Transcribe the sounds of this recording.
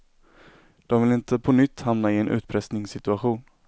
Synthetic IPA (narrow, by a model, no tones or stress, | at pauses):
d̪̥ɔmvɪlɪnt̪ʰəpʰɔnʏt̪ːhamnaɪɛnʔʉ̟ːt̪pʰɾɛsnɪŋsɪt̪ɵaɧuːn